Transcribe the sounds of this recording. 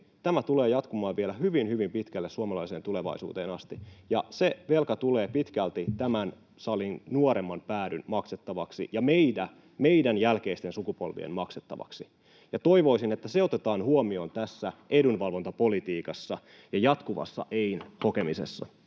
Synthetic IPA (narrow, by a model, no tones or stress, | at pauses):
t̪æmæt̪uleːjɑt̪kumɑːʋʋielæhyʋinhyʋimpit̪kælːesuomɑlɑiseːnt̪uleʋɑ̰isṵːt̪eːnɑst̪ijɑseʋelkɑt̪uleːpit̪kælt̪it̪æmæn | sɑlinnuoɾemːɑnpæːɾynmɑkset̪ːɑʋɑksḭjɑmeidæ | me̞idænjælkeist̪e̞nsukupo̞̰lʋḭḛmmɑkset̪ːɑ̰ʋɑ̰ksi | jɑt̪o̞iʋo̞isinet̪ːæseo̞t̪et̪ɑːnhuomio̞nt̪æsːæʔedunʋɑlʋont̪ɑpo̞lit̪iːkɑsːɑ | jɑjɑt̪kuʋɑ̰sːɑ̰ʔeinho̞kemisḛsːɑ̰